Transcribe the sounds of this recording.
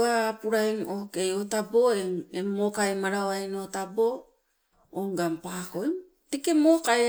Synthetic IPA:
aːpuɾajŋoke̞jotaboeemokaemaɾaoajnotabo | oŋɡampakoe | tekemoːkae

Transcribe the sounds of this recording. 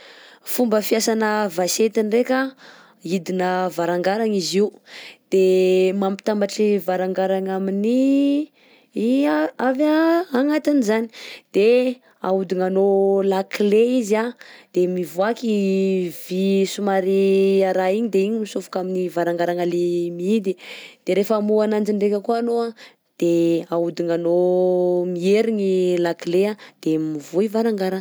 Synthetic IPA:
fumbəfiasanəvaset̪inrekʲa | id̪inəvaɾaŋɡaɾaŋiziud̪̥emampi̥t̪ambaʈ͡ʂivaɾaŋɡaɾaŋamini | iaavaaŋat̪inizani̥d̪̥e | aud̪iŋanolakleizad̪̥emivuakivisumaɾiaɾaiɲid̪eiɲimisufu̥kaminivaɾaŋɡaɾaŋalemiid̪id̪̥eɾefəmuanand͡ʒiɳɖ͡ʐekʲəkuanoa | d̪̥eaud̪iŋano | mieɾiɲilaklead̪̥emivuivaɾaŋɡaɾa

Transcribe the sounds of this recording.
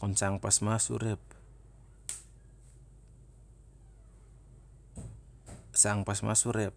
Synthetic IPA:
kɔnsaŋpasmasṵɾɛp̚ | saŋpasma̰suɾɛp̚

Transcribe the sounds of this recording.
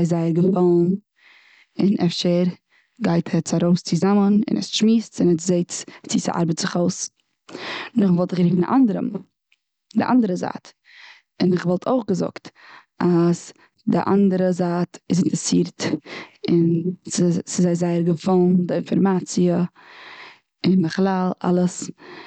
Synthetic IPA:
aɪzaɪəɾɡəfalˠn̩ | ɪnʔɛfʃeɾ | ɡaɪtʰɛt͡saɾoʊst͡sɪzamənɪ̰nɛ̰sʃmiːstt͡sɪnɛtzeɪt͡st͡sɪsɪ̰ʔa̰ɾbətz̥ɪχoʊs | nʊχvɔlˠtɪχɾiːfn̰ʔandəɾə̰m | dɪ̰ʔa̰ndəɾəza̰ːt | ɪnɪχvɔlˠtʰoʊχɡəzʊ̰kt | as | dɪ̰ʔa̰ndəɾəzaːtɪs̬ɪntəsiːɾt | ɪnssɪzaɪzaɪəɾɡəfalˠndɪɪnfɔɾmaːt͡siə | ɪndəχlˠalˠa̰lˠəs

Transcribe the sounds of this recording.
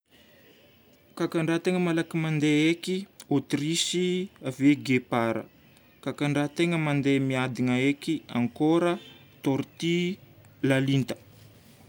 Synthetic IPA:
kakaɳɖ͡ʐat̪eŋəmalakimand̪eekiot̪risiaveɡepaɾə̰ | kakaɳɖ͡ʐat̪eŋəmand̪emiad̪inəekia̰ŋkoɾə | t̪oɾt̪i | lalint̪ə̥

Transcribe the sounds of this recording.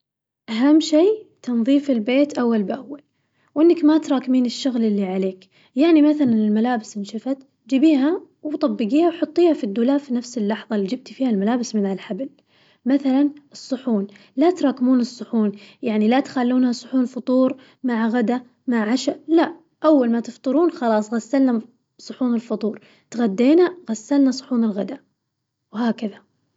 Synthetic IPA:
ʔaɦamːʃiːt̪ʰɑnðˤiːfɪlbeːt̪ʔawːalbʔawːal | wʔɪnːakmat̪ɾˤɑːkmiːnɪʃːʊɣlɪlːiʕaleːk | jaʕnimaθalanɪlmalaːbɪsɪnʃafat̪ | d͡ʒibiːha | wt̪ˤɑbːɪɡiːhawħʊt̪ˤːiːhafid̪ːuːlaːfinafsɪlːɑħðˤɑlːid͡ʒɪb̚t̪fiːhalmalaːbɪsmɪnhalħabɪl | maθalanɨsˤːʊħuːn | lat̪ɾˤɑːkɪmuːnɨsˤːʊħuːnjaʕnilat̪xalːuːnhasˤʊħuːnfʊt̪ˤuːɾ | maʕɣad̪a | maʕʕaʃala | ʔawːalmat̪ɪft̪ˤɨɾuːnxɑlɑːsˤɣasːalna | sˤʊħuːnɪlfʊt̪ˤuːɾˤ | t̪ɣad̪ːeːnaɣasːalnasˤʊ̥ħuːnɪlɣad̪a | whaːkaða

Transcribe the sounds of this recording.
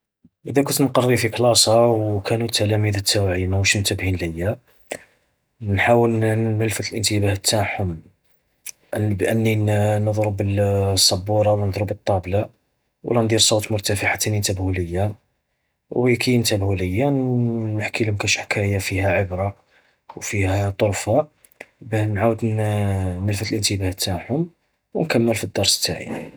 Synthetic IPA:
ʔəd̪ækʊnt̪nqɑrˤːifiklɑsˤɑwkʰænut̪ʰːælæmiðət̪ʰːæwʕimawʃnt̪əbhinləjːa | nħawəlnnəlfət̪əlʔənt̪əbæhət̪ʰːaħhʊm | ʔbʔənːinəd̪ˤɾəbəlsˤːɑbːuɾˤɑwnəd̪ˤɾəbət̪ˤːɑbla | wlænd̪iɾsˤot̪mʊɾt̪æfəħat̪nint̪æbhuləjːa | wkʰint̪æbhuləjːanəħkilhʊmkæʃħkʰæjafihæʕəbɾˤɑ | wfihæt̪ˤoɾfa | bənʕawəd̪ | nəlfət̪əlʔənt̪əbæht̪ːaħʊm | wnkæmːəlfid̪ːɑɾˤst̪ːa̰ʕḭ

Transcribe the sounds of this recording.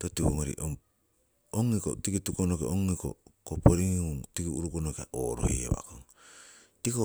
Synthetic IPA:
totiβoŋoɾḭʔoŋ | oŋːikotikitukonokeʔoŋːiko̰kopoɾiŋutikiuɾukonokeaʔoːɾo̰hḛaβa̰koŋ | tiko

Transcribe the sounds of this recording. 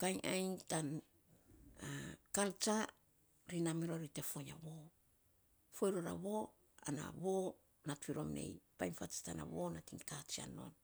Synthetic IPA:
kajʔajntan | akalt͡ʃa | ɾinamiɾoɾite̞fo̞ja̰βo | fojɾoɾa̰βo̞ | ana̰βo | natfiɾo̞mne̞̰jpajnfat͡ʃḁtana̰βo̞natiŋkat͡ʃia̰no̞̰n

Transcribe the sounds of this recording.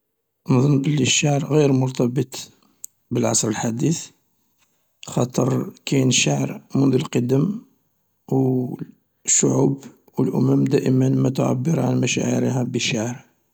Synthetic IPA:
ʔnðˤɑnbəlːiʃaʕɾɣiɾmʊɾt̪ɑbət̪ˤ | bəlʕɑ̰sˤɾəlħad̪iθ | xɑt̪ˤəɾˤkæjnʃaʕɾmʊnd̪əlqɑd̪əm | w | ʃːʊʕub | wəlʔʊ̰mæmd̪æʔəmənmæt̪ʊʕa̰bːəɾʕa̰nmæʃæ̰ʕə̰ɾihæbəʃaʕɾ

